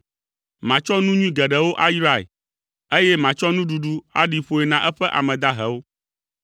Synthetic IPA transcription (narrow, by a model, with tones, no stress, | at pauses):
mã˨t͡ʃɔ˦nũ˦ɲũ˦ĩ˦ɡɛ˨ɖɛ˨wo˦ʔa˦jɾa˨ḛ˨ | e˦jɛ˦mã˨t͡ʃɔ˦nũ˦ɖu˨ɖu˦a̰˦ɖi˨ɸo˦e˨nã˨ʔɛ˦ɸɛ˦ʔa̰˨mɛ̃˨d̪a˦ɦɛ˨wo˦